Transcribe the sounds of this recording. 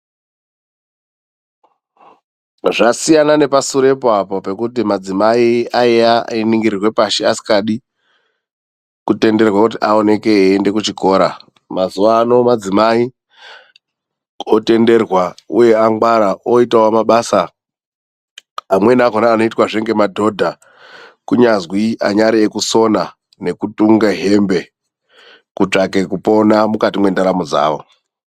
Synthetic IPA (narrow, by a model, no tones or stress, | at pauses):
ʐasijanane̞pasuɾe̞poapope̞kutimad͡zimaiaiainiŋɡiɾirwe̞paʃeasi̥kaɗi | kute̞nde̞rwakut̬iʔao̞ne̞ke̞ːnde̞kut͡ʃiko̞ːɾa | mazuʋano̞mad͡zimai | ote̞nde̞rwaṵje̞aŋɡwaɾaoitawomaɓasa | amwe̞nakonaːno̞itwaʐe̞ŋɡe̞madʱo̞dʱa | kuɲazwia̰ɲaɾiekuso̞na | ne̞kutuŋɡaɦe̞mbe̞ | kut͡ʂake̞kupo̞namukatimwe̞ndaɾamod͡za̰ːʋo